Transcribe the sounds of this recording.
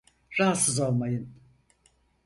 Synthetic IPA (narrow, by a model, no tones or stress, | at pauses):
ɾaɦat̪sɯzo̞lˠmajɯn